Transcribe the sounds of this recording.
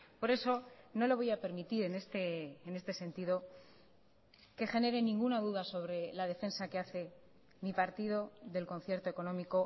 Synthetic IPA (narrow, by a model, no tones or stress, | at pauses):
po̞ɾe̞so̞no̞lo̞β̞ojape̞ɾmit̪iɾe̞ne̞st̪eːne̞st̪e̞se̞nt̪iðo̞ | ke̞xe̞ne̞ɾe̞nĩŋɡunaðuðaso̞β̞ɾe̞laðe̞fe̞nsake̞aθe̞ | mipaɾt̪ið̞o̞ðe̞lko̞n̟θje̞ɾt̪o̞e̞konõ̞miko̞